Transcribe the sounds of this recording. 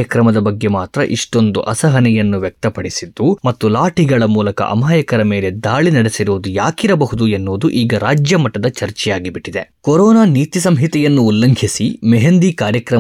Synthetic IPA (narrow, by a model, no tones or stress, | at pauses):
jɐkɾɐmɐd̪ɐbɐɡːe̞maːt̪ɾɐ̰ʔiʂʈo̞nd̪uʔɐsɐɦɐnɛjɐnːuʋjɐk̚t̪ɐpɐɽisid̪ːumɐt̪ːulaːʈiɡɐɭɐmuːlɐkɐ̰ʔɐ̰maːjɐkɐɾɐme̞ːle̞d̪aːɭinɐɽesiɾuːd̪ujaːkiɾɐbɐɦud̪uenːoːd̪uʔiːɡɐɾaːd͡ʒjɐmɐʈːɐd̪ɐt͡ʃɐɾt͡ʃɛjaːɡibiʈːid̪e̞̰koɾɔːnaːniːt̪isɐmɦit̪ɛjɐnːuːlːɐŋɡʱisimɛɦend̪ikaːɾjɐkɾɐ